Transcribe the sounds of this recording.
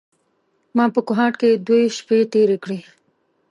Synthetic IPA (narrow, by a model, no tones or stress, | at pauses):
mɑːpəkʊɦɑːʈked̪woʃpet̪eɾekɽe